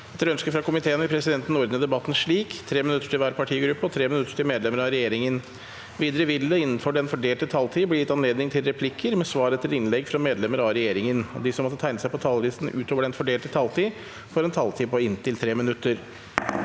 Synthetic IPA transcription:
ɛt̪ːəɾœnskəfɾɑkʊmɪt̪ʰeːənɪpʰɾɛsɪd̪ɛnt̪n̩ɔɾd̪nəd̪ɛbɑt̪ːn̩ʂɭiːkt̪ʰɾeːmɪnʉt̪ːə̥ʈʰɪlʋæːɾpɑʈʰiːɡɾʉpːəɔt̪ʰɾeːmɪnʉt̪ːə̥ʈɪlmeːd̪lɛməɾɑɾɛjeːɾɪŋən | ʋiːd̪əɾəʋɪld̪əɪnːənfɔɖɛnfɔɖeːlʈ̪ət̪ʰɑlt̪ʰiːblɪjɪt̪ːɑnleːd̪nɪŋt̪ʰɪlɾɛpʰlɪkʰːəɾmɛsʋɑːɾət̪ʰɪlɪnlɛɡfɾɑmeːd̪lɛməɾɑɾɛjeːɾɪŋənɔ̰d̪ɪsɔmɔt̪ːət̪ʰæɪnəsæɪpɔt̪ʰɑlʋiːsn̩ʉːt̪ʰoːʋəɖɛnfɔɖeːlt̪ʰɪt̪ʰɑlt̪ʰiː | fɔɾɛnt̪ʰɑlt̪ʰiːpɔɪnt̪ɪlt̪ʰɾeːmɪnʉt̪ːəɾ

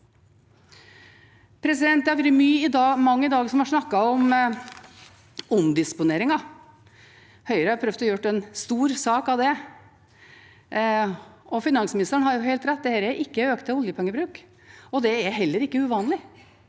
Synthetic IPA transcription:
pʰɾɛsɪd̪ɛnt̪æʋɾəmyːɪd̪ɑːmɑŋːəɪd̪ɑːɡsɔmhɑʂnɑkːɑɔm | ɔmd̪ɪspʊneːɾɪŋɑ | hœʏɾəhɑɾpʰɾœft̪ɔjʊʈːɛnst̪uːɾsɑːkɑʋd̪ɛ | ʔɔfɪnɑŋsmɪnɪst̪əɳhɑɾjʊɦɛɪlt̪ɾɛt̪̚ːd̪ɛhɛɾəʔɪkːəøːkt̪ʰɛɔljəpʰɛŋːəbɾʉːk | ɔd̪ɛæɾɦɛlːəɾɪkːəʉʋɑːnlɪ

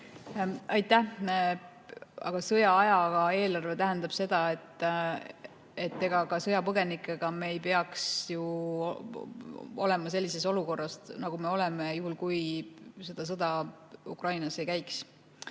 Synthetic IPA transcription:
ɑjt̪ːæ | ɑ̰ɡ̥ɑsɤjɑɑjɑɡɑe̞ːlɑrve̞t̪æɦend̪ɑb̥se̞d̪̥ɑe̞t̪ːˑ | e̞t̪ːe̞ɡ̥ɑkɑsɤjɑpɤɡ̥e̞nikːˑe̞ɡ̥ɑme̞ːjpe̞ɑksju | o̞̰le̞mɑse̞lʲːis̬e̞so̞luko̞rːɑsnɑɡ̥ume̞o̞le̞me̞juhulkujse̞d̪̥ɑs̬ɤd̪̥ɑ | ukrɑjnɑse̞jkæjks

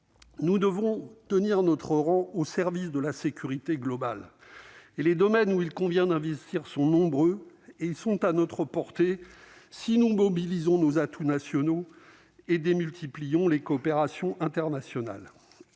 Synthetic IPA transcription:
nud̪əvɔ̃t̪əniʁnɔt̪χəʁɑ̃osɛʁvisd̪əlasekʲyʁit̪eɡlɔbal | eled̪ɔmɛnuilkɔ̃vjɛ̃d̪ɛ̃vɛst̪iʁsɔ̃nɔ̃bʁøeilsɔ̃t̪anɔt̪χəpɔʁt̪esinumɔbilizɔ̃nozat̪ʰunasjɔno | ed̪emylt̪ʰiplijɔ̃lekɔːpeʁasjɔ̃ʔɛ̃t̪ɛʁnasjɔna̰l

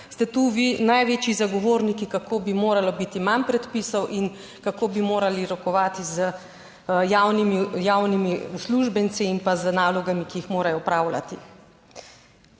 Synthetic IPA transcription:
st̪ɛt̪uʋinajʋeːt͡ʃizaɡɔʋoːɾnikikakoːbimoːɾalɔbit̪imanpɾɛt̪pisɔwʔin | kakoːbimoːɾaliɾɔkɔʋaːt̪izə | jawnimijawnimiusluʒbɛnsiːmpazənaːlɔɡamikiixmoːɾajɔpɾaːwla̰t̪ḭ

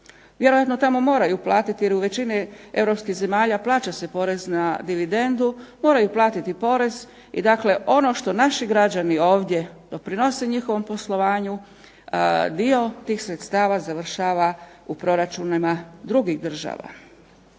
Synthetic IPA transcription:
ʋje̞ɾojat̪no̞t̪amo̞mo̞ːɾajuplˠaːt̪it̪ijeɾuʋe̞t͡ɕinee̞ʋɾo̞pskiɣze̞maːʎaplˠaːt͡ɕase̞po̞ɾe̞znad̪iʋid̪e̞nd̪umo̞ːɾajuplˠaːt̪it̪ipo̞ɾe̞z | ḭd̪akle̞ʔo̞no̞ʃt̪o̞naʃiɡɾad͡ʑanio̞ːʋd̪ʲje̞d̪̥o̞pɾino̞se̞ɲixo̞ʋo̞mpo̞slˠo̞ʋaːɲu | d̪io̞t̪iːxsɾe̞t̪st̪aːʋazaʋr̩ʃaːʋa | upɾo̞ɾat͡ʃunimad̪ɾuɡiɣd̪r̩ʒa̰ːʋa̰

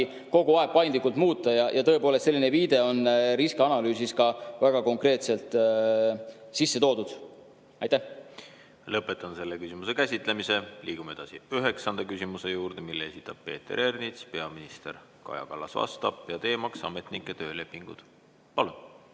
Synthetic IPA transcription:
ko̞ɡuɑeb̥̚pɑjnd̪likːˑult̪muːt̪ˑːɑjɑjɑt̪ɤepoːlest̪se̞lːineviːd̪̥e̞o̞nɾiskeɑnɑlyːsiskɑvæɡ̥ɑko̞ŋkre̞ːt̪se̞lt̪ˑ | sisːeo̞ːd̪ud̪̥ | ɑjt̪ːæh | lɤpːˑet̪ːˑɑnse̞lːekysʲimusekæsʲit̪ˑlemise̞liːɡ̥umee̞d̪̥ɑsiyɦe̞ksɑnd̪ɑkysimuse̞juːɾd̪̥e̞milːee̞sʲit̪ˑːɑb̥̚pe̞̰ːt̪ːˑe̞̰ɾernit̪spe̞ɑminist̪er | kɑ̰jɑ̰kɑlːɑ̰svɑ̰st̪ɑ̰bjɑt̪e̞ːmɑksɑ̰me̞t̪ˑnikːˑet̪øːle̞pːiŋɡ̥ṵd̪̥ | pɑlun

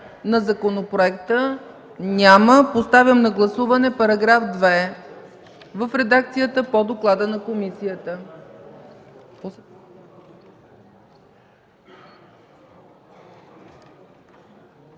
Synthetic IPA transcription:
nɐzɐkonopɾoɛkt̪ə | nʲaməpost̪avʲəmnɐɡlˠɐsuvɐnɛpɐɾɐɡɾafd̪vɛ | vəfɾɛd̪ak̚t̪sijət̪əpod̪oklˠad̪ənɐkomisijət̪ə

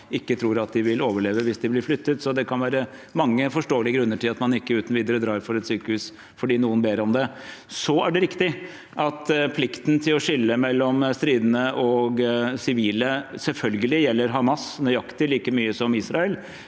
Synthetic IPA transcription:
ɪkːət̪ʰɾuːɾɑt̪̚d̪ɪʋɪloːʋəɭeːʋəʋɪsd̪ɪblɪɾflʏt̪ːət̪sɔd̪ɛkʰɑnʋæːɾəmɑŋːəfɔʂʈoːəlɪəɡɾʉnːəʈʰɪlɑt̪mɑnɪkːəʉːt̪n̩ʋiːd̪əɾəd̪ɾɑːɾfɔɾɛt̪syːkəhʉːs | fɔɖiːnuːənbeːɾəɔmd̪ɛ | sɔæɖɛɾɪkt̪ɪ | ʔɑt̪pʰlɪkt̪n̩t̪ʰɪlɔʂɪlːəmɛlːɔmst̪ɾiːd̪ənəʔɔɡsɪʋiːləsɛlfœlɡəlɪjɛlːəɾɦɑmɑsnɔjɑkt̪ɪliːkəmyːəsɔmisɾɑɛl

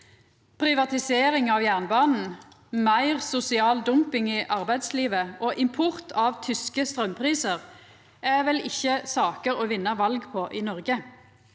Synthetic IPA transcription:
pʰʁɪʋɑt̪ɪseːʁɪŋɑʋjæʁnbɑːnn̩ | mæɪʁsʊsɪɑːld̪ʊmpɪŋiːʔɑʁbæɪd̪sliːʋəʔoːʔɪmpʰʊʁt̪ʰɑːʋt̪ʰʏskəst̪ʁœmpʰʁiːsəʁ | ʔɛʋɛlɪçːəsɑːkəʁoːʋɪnːɑʋɑlɡpʰoːʔiːnɔʁɡə

